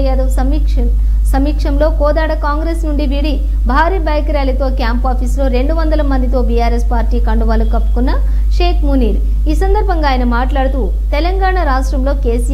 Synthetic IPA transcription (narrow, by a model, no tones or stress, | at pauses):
jaːd̪uɐmikʂɐ | sɐmiːkʂɐmlo̞ːkɔːd̪aːɽɐkaːŋɡɾeːsnuɳɖiʋiɽi | bʱaːɾiːbaːjkɐɾjaːlɐt̪o̞ːkjaːmpaːpʰiːslo̞ːɾe̞ɳɖuʋɐnd̪ɐlɐmɐnd̪it̪o̞ːbijaːɾespaːɾʈiːkɐɳɖuʋaːlukɐpːu̥kunːɐ | ʂe̞ːkʰmuniːɾ | iːsɐnd̪ɐɾbʱɐŋɡaːjɐnɐmaːʈlaːɽut̪uː | t̪ɛlɐŋɡaːɳaɾaːʂʈɾɐmlo̞ːkeːsi